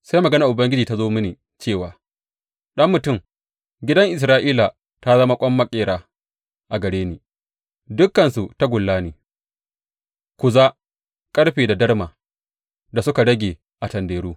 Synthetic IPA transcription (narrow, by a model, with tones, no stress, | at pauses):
sa˦jmɐ˨ɡɐ˦na˨ʔʊ˨bɐ˦ŋɡʲɪ˦d͡ʒiː˨ta˦zoː˦mɪ˦niː˨ | t͡ʃeː˦˨waː˨ | ɗɐ˦mːʊ˨tʊ˦˨m | ɡʲɪ˦dɐ˦ŋʔɪ˨s̬ɾaː˦ʔiː˦la˨ | ta˦zɐ˦ma˦kʷʼɔ˦mːɐ˦kʲʼeː˨ɽaː˦ | ʔa˨ɡɐ˨ɽeː˦niː˨ | dʊ˦kːɐ˨nsu˨ta˦ɡʷʊ˨lːaː˦niː˨ | kʷʊ˨za˦ | kʼɐ˦ɽɸeː˨da˨dɐ˦ɽmaː˨ | da˨sʊ˦ka˨ɽɐ˦ɡʲeː˨ | ʔa˨tɐ˨ndeː˨ɽuː˦